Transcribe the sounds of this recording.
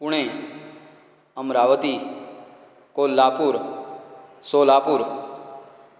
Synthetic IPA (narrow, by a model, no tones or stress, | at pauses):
puɳ̃ẽ | əmɾaʋət̪i | kolːaːpuɾ | solaːpuɾ